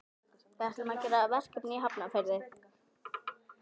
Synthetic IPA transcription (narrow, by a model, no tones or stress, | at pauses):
θaht̪lmacɛɾavɛr̥kɪpniɦapnafɪɾðɪð